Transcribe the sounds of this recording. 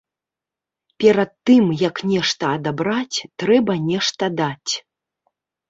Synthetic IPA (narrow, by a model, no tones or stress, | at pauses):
pʲɛɾɐt̪ːɨmjɐknʲɛʂt̪ɐːd̪abɾat͡sʲt̪ɾɛbɐnʲɛʂt̪ɐd̪at͡sʲ